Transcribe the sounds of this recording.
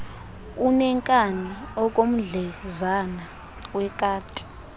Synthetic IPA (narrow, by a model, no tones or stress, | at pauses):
unɛŋkʼaniɔkʼom̩ɮɛzana | wɛkʼaːtʼi̥